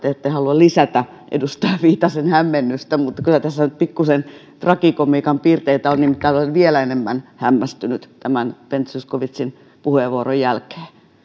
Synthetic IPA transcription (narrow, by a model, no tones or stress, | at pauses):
t̪eet̪ːehɑluɑllisæt̪æ | ʔḛdust̪ɑjɑʋiːt̪ːɑsenhæmːenːyst̪æmut̪ːɑ̥kylæt̪æsːænyt̪̚pikːusen | t̪rɑkikomiːkɑmpiːrt̪eit̪æolnimit̪ːælolelʋielæenemːænhæmːæst̪ynyt̪t̪æmænpent̪suskoʋit̪sin | puheʋʋuorojjælke̥ː